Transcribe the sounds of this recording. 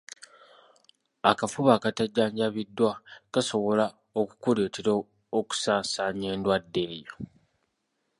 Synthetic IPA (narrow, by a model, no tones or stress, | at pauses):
akafuβaːkataɟːaːɲɟaβidːwakaso̞βo̞la | oku̥kule̞ːteɾo | oku̥saːsaːɲe̞ːndwadːelejo